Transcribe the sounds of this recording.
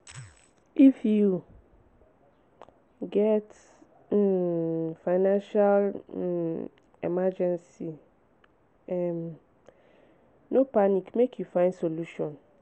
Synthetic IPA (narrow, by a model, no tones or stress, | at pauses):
ʔifju | ɡɛt | faɪnãnʃal | ɛ̰mad͡ʒɛ̃nsi | ɛm | nopanikmekʰjufãɪ̃nsoluʃɔ̃n